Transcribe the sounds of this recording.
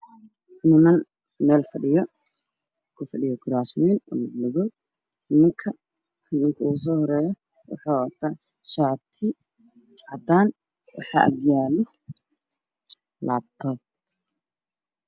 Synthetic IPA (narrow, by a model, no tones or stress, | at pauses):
nʊmɐn | mɛːlfɐɖɪjɔ | kʰʊfɐɖɪjɔɡɾaːsmiːnɔ̰ːnɑɡnɐðɔ | ɪmɐŋkʰɐ | hɪnɪŋkʰɐʊɣʊs̬ɔːhɔɾɛːjɔ | wɑ̰ħɑːwɐt̪ʰaː | ʃaːt̪ʰɪ | hɐd̪aːn | wɑ̰ħɑ̰ːʔɐ̰ɡjaːlɔ | laːb̚t̪ʰɔ